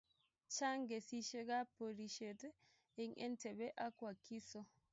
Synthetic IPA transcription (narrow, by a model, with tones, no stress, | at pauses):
t͡ʃa˦ŋɡɛ˨si˦ʃɛ˦ɡa˦po˨ɾi˨ʃetɛ˦ | i˦ŋʔɛ˦ntɛ˨bɛ˦ʔa˦kwa˨kːi˦sɔ˦